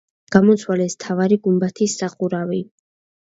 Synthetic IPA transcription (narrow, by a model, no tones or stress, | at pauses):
ɡ̥amɔt̪sʰwalɛst̪ʰavaɾiɡumbat̪ʰisːaχuɾavi